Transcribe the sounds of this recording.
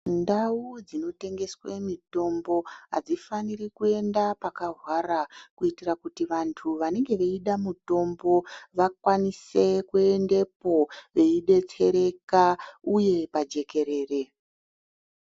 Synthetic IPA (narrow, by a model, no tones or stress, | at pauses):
ndaud͡zino̞te̞ŋɡe̞swe̞mito̞mbo̞ɦa̰d͡zifanirikue̞ndapakaɦwarakuitirakutiʋantʰuʋane̞ŋɡe̞ʋeiɗamuto̞mbo̞ʋakwanise̞kue̞nde̞po̞ʋe̞iɗe̞t͡se̞ɾe̞kauje̞pad͡ʒe̞ke̞ɾe̞ːre̞